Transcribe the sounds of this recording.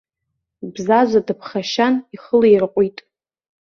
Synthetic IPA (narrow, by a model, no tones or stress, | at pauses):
bzazʷadɨpʰχaʃaniχəlejrqʷʼitʼ